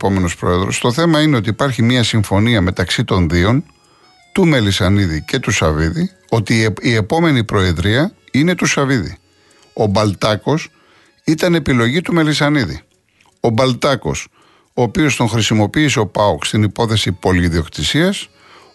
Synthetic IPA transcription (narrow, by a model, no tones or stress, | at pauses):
po̞me̞no̞spɾo̞̰e̞ðɾo̞̰st̪o̞θe̞mɐine̞o̞t̪iːpɐɾçimɲɐsiɱfo̞niɐme̞t̪ɐksit̪o̞nðio̞n | t̪ume̞lisɐniðice̞t̪usɐviði | o̞t̪iːe̞po̞me̞nipɾo̞e̞ðɾiɐine̞t̪usɐviðḭ | o̞bɐlt̪ɐko̞s | it̪ɐne̞pilo̞ʝit̪ume̞lisɐniðḭ | o̞bɐlt̪ɐko̞̰s | oːpio̞st̪o̞ŋxɾisimo̞piːseo̞pɐokst̪inipo̞θe̞sipo̞liːðio̞kt̪isiɐs